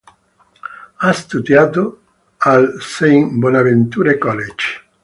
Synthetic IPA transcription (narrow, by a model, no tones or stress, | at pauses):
ast̪ud̪jat̪o | alsejŋbɔnavent̪uɾekɔlet͡ʃ